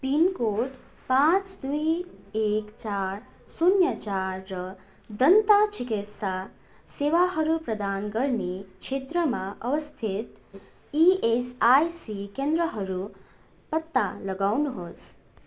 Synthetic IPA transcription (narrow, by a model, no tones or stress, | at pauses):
pinkoʈ | pãt͡ʃd̪uiekt͡ʃaɾ | sunjət͡ʃaɾːə | d̪ənt̪at͡ʃɪkɪt̪sa | seʋaɦəɾupɾəd̪anɡəɾnikʃet̪ɾəmãʔəʋəst̪ʰɪt̪ | iesajsikẽnd̪ɾəɦəɾu | pət̪ːaləɡawnuɦos